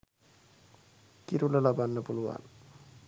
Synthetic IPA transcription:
kiɾuləlabanːəpuluʋa̰n

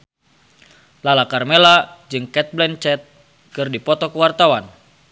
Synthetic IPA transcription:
lalakarmɛlad͡ʒɨŋkɛt̪̚blɛnt͡ʃɛt̪̚ | kɨrdipɔt̪ɔkəwart̪awan

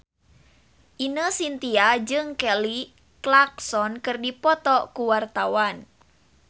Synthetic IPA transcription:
ʔinəsint̪iad͡ʒɨŋkɛli | klak̚sɔnkɨrdipɔt̪ɔkuwart̪awan

